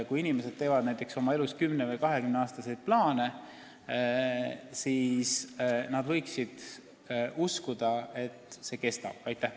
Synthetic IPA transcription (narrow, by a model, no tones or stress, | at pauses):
kujinime̞se̞d̪̥̚t̪e̞ːvɑd̪næjt̪ːˑekso̞mɑe̞luskymnevɤjkɑɦe̞kymneɑːst̪ɑsejd̪̥̚plɑːne̞ | siːsnɑd̪vɤ̞jksid̪̥ | ʔuskud̪̥ɑe̞t̪ːˑse̞ke̞st̪ɑ̰b̥̚ɑjt̪ːˑæh